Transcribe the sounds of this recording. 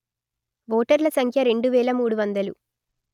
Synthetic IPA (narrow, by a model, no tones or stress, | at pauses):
ʋoːʈɐɾlɐsɐŋkʰjɐɾe̞ɳɖuʋɛːɭɐmuːɽuʋɐnd̪ɐlu